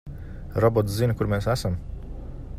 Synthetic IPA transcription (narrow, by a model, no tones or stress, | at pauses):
ɾɔbɔt̪szinkuɾmeːsæsam